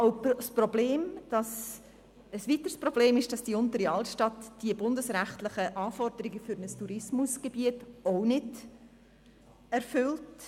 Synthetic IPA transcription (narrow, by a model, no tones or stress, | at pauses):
oʊsprɔbleːmd̥ɑs | əsʋit̪əɾsprob̥leːmɪʃd̥ɑsd̥iʊntəɾiɑltʃtɑtːd̥iəbʊndəsɾæχtlɪχəʔɑːfɔrdəɾɪɡəfʏɾnəstuɾɪsmʊsɡ̥eb̥iətoʊnɪd | ɛrfʏlt